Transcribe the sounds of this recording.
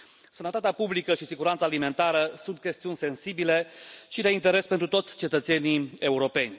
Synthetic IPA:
sənət̪at̪eapublikəʃisiɡuɾant̪salime̞nt̪aɾəsunt̪̚kʲe̞st̪iunʲse̞nsibile̞ʃid̪e̞int̪e̞ɾe̞spe̞nt̪ɾut̪o̞t̪sʲt͡ʃe̞t̪ət̪se̞nie̞uɾo̞pe̞nʲ

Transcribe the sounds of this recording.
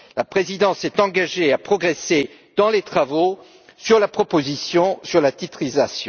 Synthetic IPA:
lapχezid̪ɑ̃sɛt̪ɑ̃ɡaʒeapχɔɡʁese | d̪ɑ̃let̪χavo | syʁlapχɔpozisjɔ̃syʁlat̪it̪χizasjɔ̃

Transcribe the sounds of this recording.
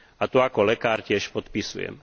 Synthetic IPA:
at̪uakɔlɛkaːɾcɪɛʃpɔt̪pisṵjɛ̰m

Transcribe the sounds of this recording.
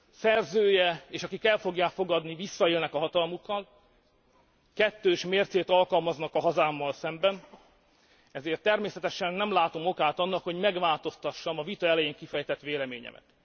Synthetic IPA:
sɛrzøːjɛeːʃɒkikɛlfo̞ɡjaːkfo̞ɡɒd̪nivisːɒeːlnɛkɒɦɒt̪ɒlmukːɒl | kɛt̪ːøːʃmeːrt̪seːt̪ɒlkɒlmɒznɒkɒɦɒzaːmːɒlsɛmbɛn | ɛzeːrt̪ːɛrmeːsɛt̪ɛʃɛnːɛmlaːt̪o̞mo̞kaːt̪ɒnːɒkho̞ɟmɛɡʋaːlt̪o̞st̪ɒʃːɒmɒvit̪ɒɛlɛjeːŋkifɛjt̪ɛt̪ʋeːlɛmeːɲɛ̰mʔɛ̰t̪

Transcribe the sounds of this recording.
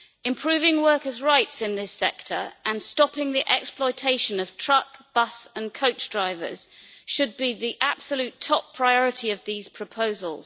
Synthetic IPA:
ɪ̃mpʰɹ̥ʉːvɪ̃ŋwɜˑkəzɹaɪtsɪ̃nðɪsɛktʰə̰ɹə̃nstɒpɪ̃ŋðiʔɛksplɔɪtʰeɪʃə̃nəv̥tʰɹ̥ʌkb̥ʌsə̃nkʰəʊt͡ʃd̥ɹaɪvə̰z̥ʃəd̚biðiʔab̥səljʉˑtʰɒpʰɹ̥aɪɒɹɪtʰiəvðiːz̥pʰɹ̥əpʰəʊzəlˠz̥

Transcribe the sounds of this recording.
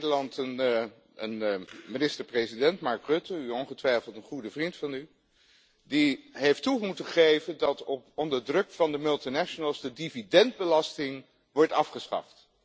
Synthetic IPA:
dəlɑntən | ənminɪstəɹprezidɛntmɑɹkrɵtəyɔnχətʋɛjflˠtənχudəvrintfɑny | diɦejftumutəχejvəndɑtɔpɔndəɹdrɵkfɑndəmɵlˠtinɛʃənəlˠzdədividɛnd̚bəlɑstɪŋ | ʋɔɹtɑfχəsχɑ̰ft

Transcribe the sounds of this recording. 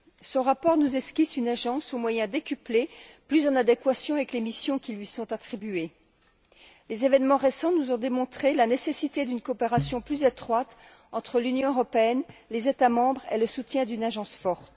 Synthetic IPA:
sɔ̃ʁapɔʁnuzɛskʲisynaʒɑ̃somwajɛ̃d̪ekʲypleplyzɑ̃nad̪ekwasjɔ̃avɛklemisjɔ̃kʲilɥisɔ̃t̪at̪χibye | lezevɛnmɑ̃ʁesɑ̃nuzɔ̃d̪emɔ̃t̪χelanesesit̪ed̪ynkɔːpeʁasjɔ̃plyzet̪χwat̪ | ɑ̃t̪χəlynjɔ̃øʁɔpeɛnlezet̪amɑ̃bʁḛləsut̪jɛ̃d̪ynaʒɑ̃sfɔʁt̪

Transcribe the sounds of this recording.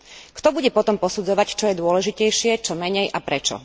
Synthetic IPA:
kt̪ɔbuɟɛpɔt̪ɔmpɔsud͡zɔʋact͡ʃɔjɛd̪ʊɔlɛʒicɛjʃɪɛt͡ʃɔmɛɲɛjʔapɾɛt͡ʃɔ̰

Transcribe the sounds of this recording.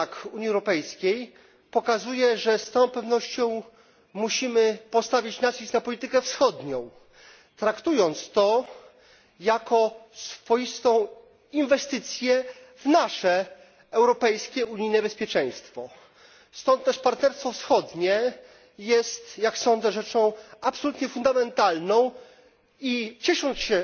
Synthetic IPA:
kuɲiɛwɾɔpɛjskʲej | pɔkazujɛʐɛst̪ɔ̃w̃pɛvnɔɕt͡ɕɔ̃w̃ | muɕimɘpɔst̪avʲit͡ɕnat͡ɕisnapɔlʲit̪ɘkɛfsxɔd̪ɲɔ̃w̃ | t̪ɾakt̪ujɔnt̪st̪ɔ | jakɔsfɔjist̪ɔ̃w̃ | invɛst̪ɘt̪sʲjɛ | vnaʂɛ | ɛwɾɔpɛjskʲɛuɲinɛbɛspʲjɛt͡ʂɛ̃j̃st̪fɔ | st̪ɔ̃nt̪̚t̪ɛʂpaɾt̪nɛɾst̪fɔfsxɔd̪ɲɛ | jɛst̪jaksɔ̃nd̪zɛʐɛt͡ʂɔ̃w̃apsɔlut̪ɲɛfund̪amɛnt̪alnɔ̃w̃ | it͡ɕɛʂɔ̃nt̪sɕɛ

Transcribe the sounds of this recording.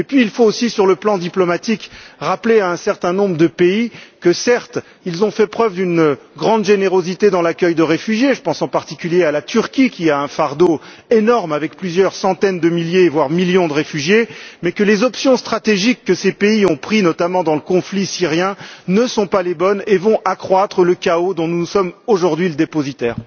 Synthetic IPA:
epɥiːlfoːsisyʁləplɑ̃d̪iplɔmat̪ikʁapleaɛ̃sɛʁt̪ɛ̃nɔ̃bʁəd̪əpeikəsɛʁt̪ | ilzɔ̃fɛpχœvd̪ynɡʁɑ̃d̪ʒeneʁozit̪ed̪ɑ̃lakʲœjd̪əʁefyʒjeʒəpɑ̃sɑ̃paʁt̪ikʲyljealat̪ʰyʁkʲikʲiaɛ̃faʁd̪o | enɔʁmavɛkplyzjœʁsɑ̃t̪ɛnd̪əmiljevwaʁmiljɔ̃d̪əʁefyʒjemɛkəlezɔpsjɔ̃st̪χat̪eʒikːəsepeiɔ̃pχinɔt̪amɑ̃d̪ɑ̃ləkɔ̃flisiʁjɛ̃nəsɔ̃palebɔnevɔ̃ʔakχwat̪χələkaod̪ɔ̃nuusɔmoʒuʁd̪ɥiləd̪epozit̪ɛːʁ

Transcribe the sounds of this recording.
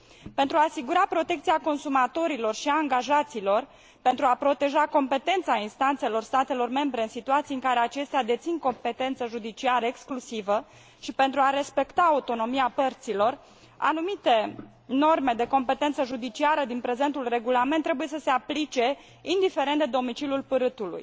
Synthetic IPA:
pe̞nt̪ɾuaːsiɡuɾapɾo̞t̪e̞k̚t̪siako̞nsumat̪o̞ɾilo̞rʃiaaːŋɡaʒat̪silo̞r | pe̞nt̪ɾuapɾo̞t̪e̞ʒako̞mpe̞t̪e̞nt̪sainst̪ant̪se̞lo̞rst̪at̪e̞lo̞rme̞mbɾe̞ɨnsit̪uat̪sijɨŋkaɾe̞at͡ʃe̞st̪ead̪e̞t̪sinko̞mpe̞t̪e̞nt̪səʒud̪it͡ʃiaɾəeksklusivə | ʃipe̞nt̪ɾuaɾe̞spe̞kt̪aːut̪o̞no̞miapərt̪silo̞r | a̰numit̪e̞ | no̞rme̞d̪e̞ko̞mpe̞t̪e̞nt̪səʒud̪it͡ʃiaɾəd̪inpɾe̞ze̞nt̪ulre̞ɡulame̞nt̪ːɾe̞buje̞səse̞aplit͡ʃe̞ | ind̪ife̞ɾend̪e̞d̪omit͡ʃilʲulpɨɾɨt̪ulṵj

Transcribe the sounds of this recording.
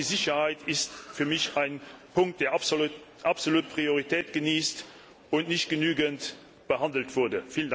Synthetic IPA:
izɪɕɐhaɪtʰɪstfyːɐmɪɕaɪnpʰʊŋk̚t̚d̥eːɐ | ʔɑpz̥oluːt̚pʁ̥ioʁitʰɛːtɡ̥əniːst | ʊntnɪɕtɡ̥ənyːɡənt | b̥əhɑndəl̩tv̥ʊɐdəfiːlənd

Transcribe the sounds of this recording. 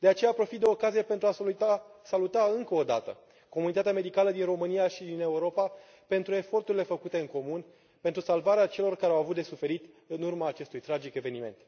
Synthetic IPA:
d̪e̞at͡ʃejapɾo̞fit̪̚d̪eoːkazijepe̞nt̪ɾuaasalut̪aɨŋkəo̞d̪a̰t̪ə̰ | ko̞munit̪at̪eame̞d̪ikaləd̪inro̞mɨnijaʃid̪ine̞uɾo̞pa | pe̞nt̪ɾue̞fo̞rt̪uɾile̞fəkut̪e̞ɨŋko̞mun | pe̞nt̪ɾusalvaɾeat͡ʃe̞lo̞rkaɾeawavut̪d̪e̞sufe̞ɾit̪ | ɨnurmaːt͡ʃe̞st̪ujt̪ɾad͡ʒike̞ve̞nime̞̰nt̪

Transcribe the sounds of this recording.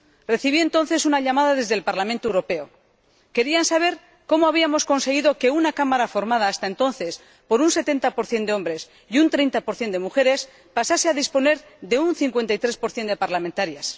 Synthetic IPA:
re̞θiβient̪o̞nθe̞sunaʎamaðaðe̞zðelpaɾlamẽnt̪owɾo̞pe̞o | ke̞ɾiansaβ̞e̞ɾ | ko̞moaβiamo̞sko̞nse̞ɣiðo̞ke̞unakamaɾafo̞ɾmað̞aːst̪ae̞nt̪o̞nθe̞s | po̞ɾunse̞t̪e̞nt̪apo̞ɾθje̞nd̪e̞o̞mbɾe̞s | iunt̪ɾe̞jnt̪apo̞ɾθje̞nd̪e̞muxe̞ɾe̞s | pasase̞aðispo̞ne̞ɾ | ðe̞unθiŋkwe̞nt̪ajt̪ɾe̞spo̞ɾθje̞nd̪epaɾlamẽnt̪aɾjas

